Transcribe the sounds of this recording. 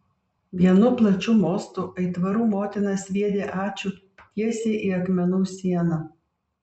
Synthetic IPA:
ʋʲiɛnʊplˠɐt͡ʃʲuːmoːst̪uːʔɐɪt̪ʋɐɾuːmoːt̪ʲɪnɐsʋʲiɛd̪ʲeːʔɑːt͡ʃʲuː | t̪ʲiɛsʲeːʔiːɐkmʲɛnuːsʲiɛnɑ

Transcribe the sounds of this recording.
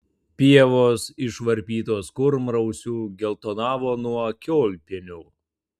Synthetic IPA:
pʲiɛʋoːsɪʃʋɐɾʲpʲiːt̪oːskʊɾmɾɐʊsʲuːɡʲɛlˠt̪oːnɑːʋoːnuɔkʲoːlʲpʲɪnʲuː

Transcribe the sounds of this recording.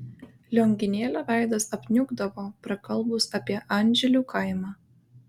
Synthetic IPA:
lʲoŋʲɡʲɪnʲeːlʲoːʋʲæˑɪd̪ɐsɐpʲnʲʊɡd̪ɐʋoːpɾɐkɐlˠˑbʊsɐpʲiɛʔɑnʲˑʒʲɛlʲuːˑkʰɐɪmɑː

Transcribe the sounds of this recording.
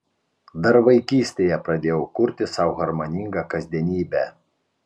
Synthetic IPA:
d̪ɐɾʋɐɪkʲiːsʲt̪ʲejɛpɾɐd̪ʲeːjɛʊkʊɾʲt̪ʲɪsɑˑʊɣɐɾmɐnʲɪŋɡɑkɐzʲd̪ʲiɛnʲiːbʲæː

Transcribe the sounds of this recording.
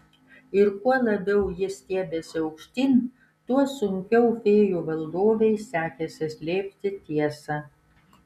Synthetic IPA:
ɪɾkuɔlˠɐbʲɛʊjɪsʲt̪ʲeːbʲeːsʲɪɐʊkʃʲt̪ʲiːnʲ | t̪uɔsʊŋʲkʲɛʊfʲeːjuːʋɐlˠd̪oːʋʲɛɪsʲæːkʲɛsʲɪsʲlʲeːpʲt̪ʲɪt̪ʲiɛsɑ

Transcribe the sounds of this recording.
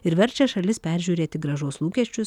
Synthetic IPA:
ɪɾʋʲɛɾʲt͡ʃʲɛʃɐlʲɪspʲæːɾʲʒʲuːɾʲeːt̪ʲɪɡɾɐʒoːslˠuːkʲɛʃʲt͡ʃʲʊs

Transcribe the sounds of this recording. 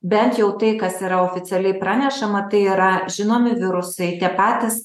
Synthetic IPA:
bʲɛnt̪jɛʊt̪ɐɪkɐsiːɾɐoːfʲɪt̪sʲɛlʲɛɪpɾɑːnʲɛʃɐmɐt̪ɐɪiːɾɐʒʲɪnoːmʲɪʋʲɪɾʊsɐɪt̪ʲiɛpɑːt̪ʲɪs

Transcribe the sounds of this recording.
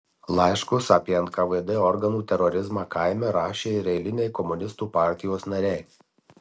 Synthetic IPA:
lˠɑɪʃkʊsɑpʲiɛnt̪kɐʋɛd̪ɛɔɾɡɐnuːt̪ʲɛɾɔɾʲɪzmɑːkaɪmʲɛɾɑːʃʲeːɪɾʲɛɪlʲɪnʲɛɪkɔmʊnʲɪst̪uːpɑˑɾʲt̪ʲɪjoːsnɐɾʲɛɪ

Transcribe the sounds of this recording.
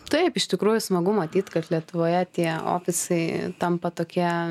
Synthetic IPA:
t̪ɐɪpɪʃt̪ʲɪkɾuːjʊsmɐɡʊmɐt̪ʲiːt̪kɐt̪lʲiɛt̪ʊʋoːjɛt̪ʲiɛo̰ːpʲɪsɐɪt̪ɐmpɐt̪oːkʲiɛ

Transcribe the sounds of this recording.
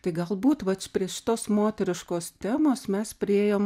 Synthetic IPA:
t̪ɐɪɡɐlˠbuːt̪ʋɐtpʲɾʲiɛʃʲɪt̪oːsmoːt̪ʲɛɾʲɪʃkoːst̪ʲæːmoːsmʲɛspʲɾʲɪeːjoːm

